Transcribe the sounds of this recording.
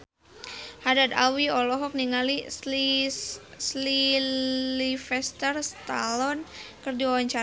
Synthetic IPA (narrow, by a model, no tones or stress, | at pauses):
hadad̪awiɔlɔɦɔk̚niŋali | sli | lifɛst̪ərst̪a̰lɔnkərdiwawaɲt͡ʃa